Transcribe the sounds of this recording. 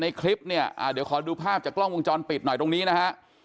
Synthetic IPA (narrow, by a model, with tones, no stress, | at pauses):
na˧jkʰli˦˥p̚ni˥˩ɐʔa̰ː˧˩di˨˦wkʰɔː˨˩˦duː˧pʰaː˥˩p̚t͡ɕaː˨˩klɔ˥˩ŋwo˧ŋt͡ɕɔː˧npi˨˩t̪̚nɔ˨˩jt̪o˧ŋniː˦˥na˦˥kʰa˦˥ʔ